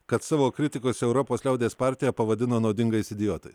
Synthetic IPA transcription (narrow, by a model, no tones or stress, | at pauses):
kɐt̪sɑːʋoːkɾʲɪt̪ʲɪkoːsʲɛɛʊɾɔpoːslʲɛʊd̪ʲeːspɑˑɾʲt̪ʲɪjɛpɐʋɐd̪ʲɪnoːnɒʊd̪ʲɪŋɡɐɪsɪd̪ʲɪjɔt̪ɐɪs